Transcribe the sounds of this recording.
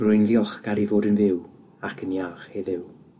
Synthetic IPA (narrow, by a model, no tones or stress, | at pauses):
rʊjnðiɔχɡ̥aɾivoːdənvɪw | akʰənjaχheðɪw